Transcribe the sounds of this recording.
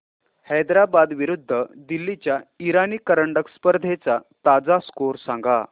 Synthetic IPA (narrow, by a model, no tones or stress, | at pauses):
hɛjd̪ɾabad̪ʋiɾud̪ʱːəd̪ilːit͡ɕjaiɾaniːkəɾəɳɖəkspəɾd̪ʱet͡sat̪ad͡zaskoɾsãŋɡa